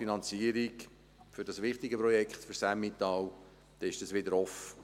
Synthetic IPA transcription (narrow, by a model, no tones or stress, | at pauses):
inɑnt͡siəɾik | fʏɾd̥ɑsʋɪχt̪ɪɡəpɾɔjɛkχt̪føɾsæmːit̪ɑw | d̥̪ɛɪʃd̥ɑsʋɪdəɾɔfə